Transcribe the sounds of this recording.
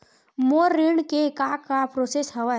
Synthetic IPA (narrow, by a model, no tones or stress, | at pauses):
moːɾːɪɳkekaːkːapɾoːsesɦɐʋa